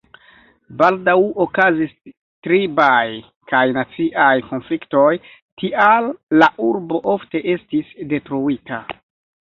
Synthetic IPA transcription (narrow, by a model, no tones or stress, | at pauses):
baldawo̞kazis | tɾibaj | kajnat͡siʔajko̞nflikto̞j | tiʔalːaʔuɾbo̞ʔofte̞ʔe̞stisde̞tɾuita